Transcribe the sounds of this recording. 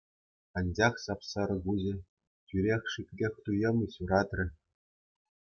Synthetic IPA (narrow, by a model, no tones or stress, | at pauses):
ɑnʲd͡ʑɑχsɑpsɑɾɤ̆ɡuʑɘ̆ | t͡ɕʲyɾʲexʲʂikʲkʲexʲt̪ujɤ̆mʲɤ̆ɕuɾɑt̪rʲɘ̆